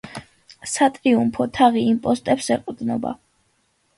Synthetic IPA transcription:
sat̪ʼɾiumpʰɔt̪ʰaʁiːmpʼɔst̪ʼɛpsɛqʼd̪nɔ̰ba̰

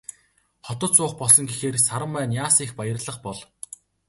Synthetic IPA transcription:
χɔt̪ɞ̆t̪t͡sʊːχpɔɮsɞ̆ŋɡexeːrsaɾə̆mpæːnjaːsiːxpajə̆rɮə̆χpɔɮ

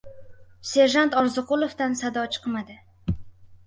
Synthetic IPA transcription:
se̞ɾʒant̪ɒɾzɨqʊlˠofd̪ansad̪ɒt͡ʃʰɨ̥qmad̪ɪ

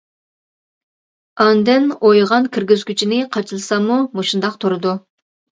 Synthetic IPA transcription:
ɑnd̪ɪnojʁɑnkʲʰiɾɡʲizkʲʰyt͡ʃʰinɪqʰɑt͡ʃʰɨlˠɨsɑmumoʃund̪ɑq̚t̪ʰuɾɨd̪u

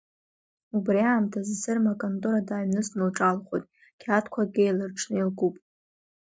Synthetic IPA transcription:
ubriaːmtʰazzɨrmakʼontʼuɾadaːɥnɨsnɨlʈ͡ʂʼalχo̰tʼ | kʲʰatʰkʷʰaɡʲejlɨrʈ͡ʂʰnɨilɡupʼ

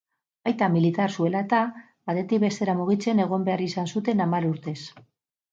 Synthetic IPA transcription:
ajt̪amilit̪aɾsue̞laet̪a | b̥at̪e̞t̪ikbe̞st̪e̞ɾamuɣ̞it͡se̞ne̞ɣ̞o̞mbe̞aɾisansut̪e̞namaɾuɾt̪e̞s

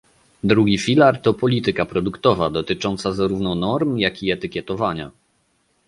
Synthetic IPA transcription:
d̪ɾuɡʲifʲilaɾt̪ɔpɔlʲit̪ɘkapɾɔd̪ukt̪ɔvad̪ɔt̪ɘt͡ʂɔnt̪sazaɾuvnɔnɔɾmjakʲiɛt̪ɘkʲjɛt̪ɔvaɲa̰

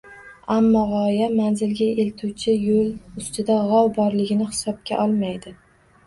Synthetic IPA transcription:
amːɒʁɒjamanzɪlɡʲae̞lt̪ʰuwt͡ʃʰɪjolˠʊst̪ʰɪd̪aʁɒwbɒɾlɪɡʲɪnɪhɪ̥sɒp̚kʲa̰ʔɒlˠmajd̪ɪ

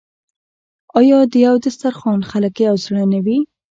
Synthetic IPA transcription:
ɑjɑd̪əjawd̪əst̪aɾxɑnxaləkjawzɽanawi

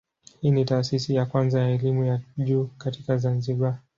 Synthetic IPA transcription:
hiːnitaːsisijakwanzajaɛlimujaʄuːkatikazanziɓa

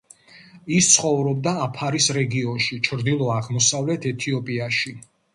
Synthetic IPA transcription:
ist̪sʰχɔvɾɔb̚d̪aːpʰaɾisɾɛɡiɔnʃit͡ʃʰɾd̪ilˠɔaʁmɔsavlɛt̪ʰɛt̪ʰiɔpʼiaʃi

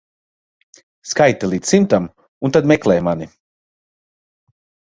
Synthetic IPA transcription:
skajt̪alˠiːd̪ssimt̪am | unt̪ad̪mɛklˠɛjmani

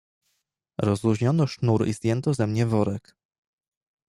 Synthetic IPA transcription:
ɾɔzɾuʑɲɔnɔʂnuɾḭzd̪ɲjɛnt̪ɔzɛmɲɛvɔɾɛk

